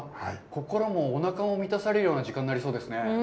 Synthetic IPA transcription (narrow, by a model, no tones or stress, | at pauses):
hako̞ko̞ɾomo̞ːnakamo̞mʲit̪asaɾejo̞ːnaʑikãnːaɾʲiso̞ːd̪e̞sɨne̞